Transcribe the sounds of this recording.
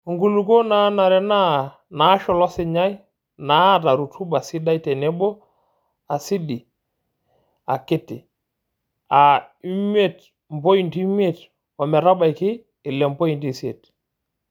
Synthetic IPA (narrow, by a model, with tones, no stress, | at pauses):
ŋɡu˨lu˨ɡo˦na˦na˨ɾɛ˨na˦ | na˨˦ʃɔ˨lɔ˦sɪ˨ɲa˦j | na˨˦ta˨ɾu˨tʰu˦ba˨si˦da˦i˦tɛ˨nɛ˦bɔ˦ | a˨si˦di˨ | a˨kɪ˦tɪ˨ | a˨i˦me˦t | m˨bo˦i˨nti˦me˨t | wa˨mɛ˨ɾa˦ba˨jkɪ˦ | ɪ˨lɛ˨mpo˦i˨nti˨si˦e˨t